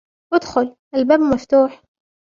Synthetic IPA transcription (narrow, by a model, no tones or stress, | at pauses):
wɪd̪xʊlʔælbæːbmæft̪uːħ